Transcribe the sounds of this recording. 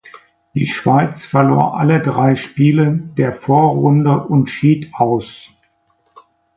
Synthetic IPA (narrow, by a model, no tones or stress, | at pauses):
d̥ḭːʃv̥aɪt͡sfɛɐloːɐʔa̰lədʁaɪʃpiːlədeːɐfoːɐʁʊndəʔʊntʃiːtʔaʊs